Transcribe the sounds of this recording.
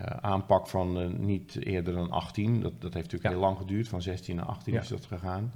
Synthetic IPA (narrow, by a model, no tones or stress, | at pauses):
aːnpɑkfɔnːitɪ̰ədərdɔnʔɑ̰xtindɔdɔthejftyːkɪːlɑŋxədyːərtfɔnzɛstina̰ɑ̰xtinɪzdɔ̰tχəɣaːn